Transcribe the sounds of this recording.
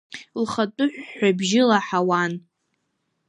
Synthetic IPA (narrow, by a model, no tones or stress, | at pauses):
lχatʼʊħʷᶣːabʒɪlaħawan